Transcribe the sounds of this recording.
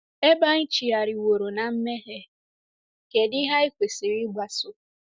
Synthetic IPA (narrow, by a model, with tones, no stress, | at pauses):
e˦ba˦ŋ̩˦t͡ʃi˨a˨ɾɪ˨wo˨ɾo˨na˨m̩˦me˦ɦe˦ | ke˨dɪ˦ɦa˦i˦kʷe˨si˨ɾi˦ɡ͡bʷa˨sʊ˨